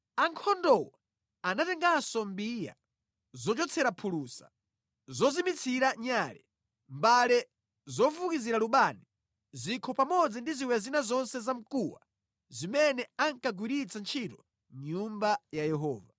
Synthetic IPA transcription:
aŋkʰɔndɔwa | anatɛŋɡasɔmbija̰ | zɔt͡ʃɔt͡sʰɛɾapʰuluːsḁ | zɔzimit͡sʰiɾaɲaːlɛ | mbalɛ | zɔvukiziɾaluɓani | zikʰɔpamɔd͡zindiziwɛazinazɔnsɛzam̩kuwa̰ | zimɛnɛaŋkaɡwiɾit͡sʰant͡ʃʰitɔ | ɲumbajajɛɦɔːva

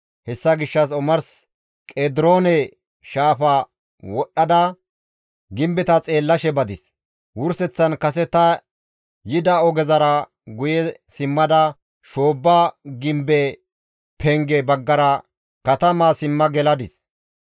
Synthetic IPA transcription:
hɛsːɐɡɪʃːɐsɔmɐɾs | kʼeːd̪ɪɾo̞ːnɛ | ʃaːfɐ | wɔɗːɐd̪ɐ | ɡɪmbɛt̪ɐt͡sʼe̞ːlːɐʃɛbɐd̪ɪs | wʊɾsɛt͡sːɐnkɐs̬ɛt̪ɐ | jɪd̪ɐɔɡɛzɐɾɐ | ɡʊjɛsɪmːɐd̪ɐ | ʃoːbːaɡɪmbɛ | pʰɛŋɡɛbɐɡːɐɾɐ | kɐt̪ɐmaːsɪmːɐɡɛlɐd̪ɪs

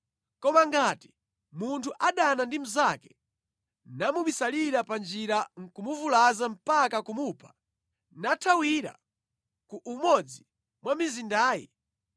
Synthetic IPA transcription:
kɔmaŋɡati̥ | muntʰuʔaɗanandim̩zakɛ̥ | namuɓisaliɾapand͡ʒiɾaŋ̩kumuvulazam̩pakakumupʰḁ | natʰawiɾa̰ | kuʔumɔd͡zi | mwamizindaːjɛ̰

